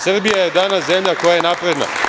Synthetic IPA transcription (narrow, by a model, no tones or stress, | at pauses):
sr̩bijajed̪aːnasze̞mʎako̞jaje̞napɾe̞d̪na̰